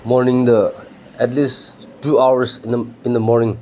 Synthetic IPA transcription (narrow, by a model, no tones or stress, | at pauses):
mɔɾnĩŋd̪ə | ɛtlis | tuawəɾsnəĩnd̪əmɔɾnĩŋ